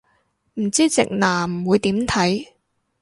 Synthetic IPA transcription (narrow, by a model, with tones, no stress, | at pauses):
m̩˨˩t͡siː˥t͡sɪ̰˨k̚naː˨˩m̩˨˩wuː˨˧jt̪iː˨˥mt̪ʰɐ˨˥j